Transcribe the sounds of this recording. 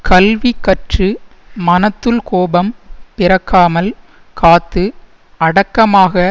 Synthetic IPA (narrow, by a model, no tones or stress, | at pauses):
kɐlʋikːɐʈrɯ | mɐnɐt̪ːɯlkoːbɐmpɪɾɐkʰːaːmɐl | kaːt̪ːɯ | ɐɽɐkːɐmaːɣɐ